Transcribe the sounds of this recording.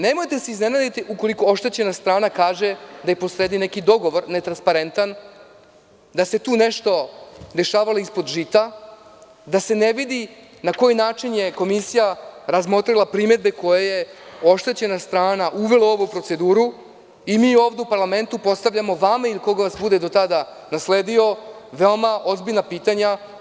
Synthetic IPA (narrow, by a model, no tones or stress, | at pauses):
ne̞mo̞jt̪e̞seiznenad̪it̪iʔuko̞liko̞o̞ʃt̪e̞t͡ɕe̞nast̪ɾaːnakaːʒed̪ajepo̞sɾe̞ːd̪ine̞kid̪o̞ɡo̞ʋo̞ɾne̞t̪ɾanspaɾe̞nt̪an | d̪ase̞t̪uːne̞ʃt̪o̞d̪e̞ʃaːʋalo̞ispo̞d̪ʒit̪a | d̪ase̞ne̞ʋid̪i | nako̞jinaːt͡ʃinje̞ko̞misijaɾazmo̞t̪ɾilˠapɾime̞d̪be̞ko̞jeje̞o̞ʃt̪e̞t͡ɕe̞nast̪ɾaːnaʔuʋe̞lao̞ʋupɾo̞t̪se̞d̪uːɾu | imiːo̞ːvd̪e̞upaɾlame̞nt̪upo̞t̪st̪aʋʎamo̞ʋamailiko̞ɡaʋasbud̪e̞d̪o̞t̪ad̪a | nasleːd̪io̞ | ʋe̞omaʔo̞zbiʎnapiːt̪aɲa